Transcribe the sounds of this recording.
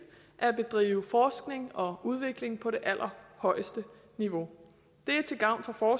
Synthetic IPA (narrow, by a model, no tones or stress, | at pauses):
ʔæɐæb̥e̝d̥ʁḭːʊəfɒːsɡ̥ne̝ŋɒ̽uð̞ˠʋe̝ɡ̥le̝ŋpʰɒ̽ɾe̝ʔæl̰ʔɐhɒ̽ɪ̰sd̥ə | niʋo̝ | d̥e̝æɐt͡sʰe̝ɡ̥ɑ̈ʊ̰nfɒ̽fɒː